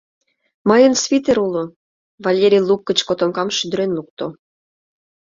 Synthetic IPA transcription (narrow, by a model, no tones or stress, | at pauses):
mɤjənsvʲit̪eɾulo | vɑlʲeɾʲijlˠukːə̆t͡ɕkot̪omkɑmʃyd̪əɾenluk̚t̪o